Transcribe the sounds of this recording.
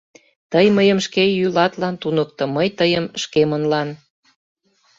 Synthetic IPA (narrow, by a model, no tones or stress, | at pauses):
t̪əjməjəmʃkejylɑt̪lɑnt̪unəkt̪ŏməjt̪əjəmʃkemənlɑn